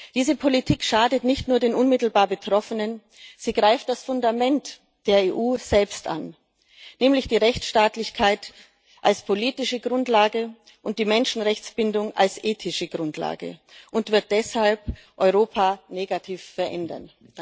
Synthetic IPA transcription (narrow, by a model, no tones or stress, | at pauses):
d̥iːzəpʰolitʰiːkʃaːdətnɪçtnuːɐdeːnʔʊnmɪtl̩baːɐbətʁ̥ɔfənən | z̥iːɡʁaɪft̚d̥asfʊndamɛnt | d̥eːɐeːʔuːz̥ɛlpstʔa̰n | nɛːmlɪçd̥iːʁɛçt͡sʃtaːtlɪçkʰaɪt | ʔalspʰoliːtɪʃəɡʁʊntlaːɡə | ʔʊnt̚d̥iːmɛnʃn̩ʁɛçt͡sb̥ɪndʊŋʔa̰lsʔeːtʰɪʃəɡʁʊntla̰ːɡə̰ʔʊntv̥ɪɐt̚d̥ɛshalp | ʔɔʏʁoːpʰaneːɡatʰiːfːɛɐʔɛndɐ̰n